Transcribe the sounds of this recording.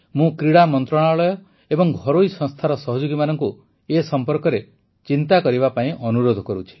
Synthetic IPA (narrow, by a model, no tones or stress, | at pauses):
mũkɾiɽamɔnt̪ɾɔɽ̃aɔɭɔjɔ | ebɔŋɡʱɔɾoisɔ̃ŋst̪ʰaɾɔsɔɦɔd͡ʒoɡimanɔŋku | esɔmpɔɾkɔɾe | t͡ʃint̪akɔɾibapaĩʔɔnuɾod̪ʱɔkɔɾut͡ʃʰi̥